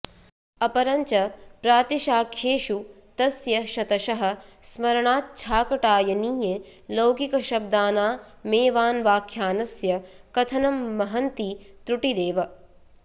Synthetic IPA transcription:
ɐpɐɾɐɲt͡ʃɐpɾaːt̪iʃaːkʰeːʃu | t̪ɐsjɐʃɐt̪ɐʃɐɦɐ̆smɐɾɐɳaːt̪̚t͡ʃʰaːkɐʈaːjɐniːjelɐwɡikɐʃɐb̚d̪aːnaː | meːʋaːnʋaːkʰjaːnɐsjɐkɐt̪ʰɐnɐmːɐɦɐnt̪it̪ɾuʈiɾeːʋɐ

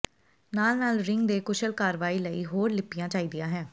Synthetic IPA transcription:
naːlnaːlɾɪŋɡd̪eːkʊʃəlkaːɾʋaːiːləiːɦoːɾlɪpɪjãːt͡ʃaːiːd̪ɪjãːɦɛ̃ː

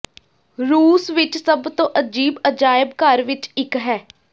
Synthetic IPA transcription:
ɾuːsʋɪt͡ʃsəbt̪õːʔəd͡ʒiːbəd͡ʒaːjəbkəɾʋɪt͡ʃɪkɦɛː

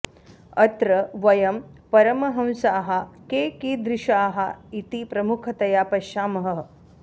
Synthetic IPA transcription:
ɐt̪ɾɐʋɐjɐmpɐɾɐmɐɦɐ̃msaːɦɐkeːkid̪ɾɪʃaːɦɐit̪ipɾɐmukʰɐt̪ɐjaːpɐʃaːmɐɦɐ

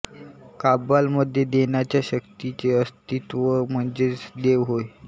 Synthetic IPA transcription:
kabalməd̪ʱːjed̪eɳjat͡ɕjaɕəkt̪it͡seəst̪it̪ʋəm̤əɳd͡zet͡sd̪eʋɦoj

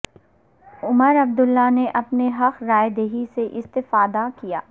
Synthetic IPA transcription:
ʊməɾɐb̚d̪ʊlːaneʔɐpneɦɐqɾaːjed̪eːɦiseʔɪst̪ɪfaːd̪akija̰ː

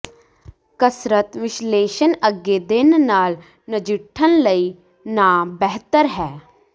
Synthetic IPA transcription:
kəsɾət̪ʋɪʃleːʃənəɡːeːd̪ɪnnaːl | nəd͡ʒɪʈʰːənləiː | naːbɛɦt̪əɾɦɛː

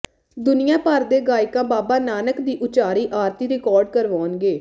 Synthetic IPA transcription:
d̪ʊnɪjãːpəɾd̪eːɡaːɪkãːbaːbaːnaːnəkd̪iːʔʊt͡ʃaːɾiːʔaːɾt̪iːɾɪkɔːɾɖ̚kəɾʋaːnɡeː

